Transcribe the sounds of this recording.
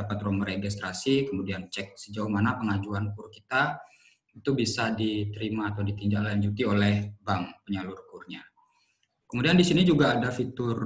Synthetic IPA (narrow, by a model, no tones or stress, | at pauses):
apat̪ɾɔŋməɾeɡist̪ɾasikəmudiant͡ʃɛk̚səd͡ʒauhmanapəŋad͡ʒuanukʊrkit̪a | it̪ubisadit̪əɾimaːt̪awdit̪iɲd͡ʒaklaɲd͡ʒut̪iolɛhbaŋpəɲalurkurɲa | kəmudiandisinid͡ʒuɡaːdafit̪ʊr